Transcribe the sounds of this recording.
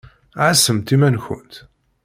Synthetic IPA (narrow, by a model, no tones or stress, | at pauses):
ʕasəmt̪imænçə̰nt̪